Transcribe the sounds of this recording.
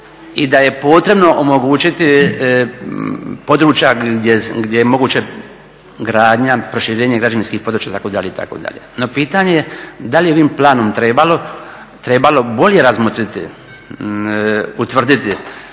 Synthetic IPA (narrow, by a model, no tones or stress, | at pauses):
id̪aje̞po̞ːt̪ɾe̞bno̞ʔomoɡuːt͡ɕit̪i | po̞d̪ɾuːt͡ʃjaeɡdʲjejemo̞ɡuːt͡ɕe | ɡɾaːd̪ɲapɾo̞ʃiɾeːɲeɡɾad͡ʒaninskiːhpo̞d̪ɾuːt͡ʃt͡ɕjaːt̪akod̪aʎeit̪a̰ko̰ːd̪a̰ʎe̞̰no̞piːt̪aɲe̞jed̪alijeo̞ʋiːmplaːno̞mt̪ɾe̞ːbalo̞ | t̪ɾebalo̞bo̞lʲje̞ɾazmot̪ɾit̪ḭ | ut̪ʋr̩d̪it̪i